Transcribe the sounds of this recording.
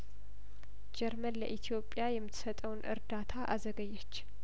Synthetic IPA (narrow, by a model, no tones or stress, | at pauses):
d͡ʒɛɾmənlə̰ʔit̪ʰijo̞pʼjajɛmːɨt̪ʰːsət̪ʼəwnʔɨ̰ɾd̪at̪ʰaʔazəɡəjːɛt͡ʃː